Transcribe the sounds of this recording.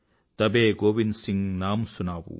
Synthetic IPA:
t̪ɐbeːɡoːʋinsiŋnaːmsunaːʋṵ

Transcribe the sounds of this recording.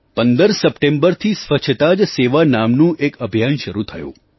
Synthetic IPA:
pənd̪əɾsəpʈẽmbəɾt̪ʰisʋət͡ʃʰt̪ad͡ʒseʋanamnũʔekəbʱijanʃəɾut̪ʰəjṵ̃

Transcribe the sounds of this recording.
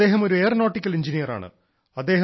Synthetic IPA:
e̞ːɦɐmo̞ɾueːrno̞ːʈːikʲːɐliɲd͡ʑinijɐra̰ːɳɨ̰ | ɐd̪ːe̞ːɦ

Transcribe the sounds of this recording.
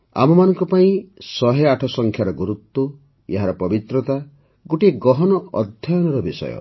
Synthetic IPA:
a̰mɔmanɔŋkɔpaĩsɔɦeaʈʰɔsɔŋkʰjaɾɔɡuɾut̪ːɔ | eɦaɾɔpɔbit̪ɾɔt̪a | ɡoʈieɡɔɦɔnɔʔɔd̪ʱjajɔnɔɾɔbisɔ̰jɔ̰

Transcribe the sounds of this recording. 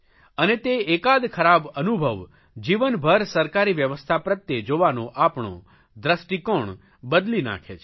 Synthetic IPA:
ənet̪eekad̪kʰəɾabənubʱəʋ | d͡ʒiʋənbʱəɾsəɾkaɾiʋjəʋəst̪ʰapɾət̪jed͡ʒoʋanoʔapɳo̰ | d̪ɾəsʈikoɳ | bəd̪lina̰kʰet͡ʃʰ

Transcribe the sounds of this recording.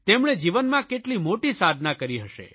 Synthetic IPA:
t̪emɳ̃ed͡ʒiʋənmãkeʈlimoʈisad̪ʱnakəɾiɦəʃḛ

